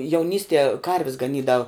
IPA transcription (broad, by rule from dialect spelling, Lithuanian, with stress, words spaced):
jɛʊˈnʲiːsʲtʲiɛ ˈkɐrʲʋʲɪs ɡɐˈnʲiːdɐw